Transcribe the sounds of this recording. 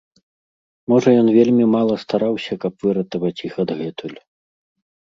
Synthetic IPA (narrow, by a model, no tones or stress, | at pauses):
mɔʐɐjɔnvʲelʲmʲimalˠɐst̪aɾawsʲɐkɐpv̥ɨɾɐt̪ɐvɐt͡sʲixɐd̪ɣɛt̪ulʲ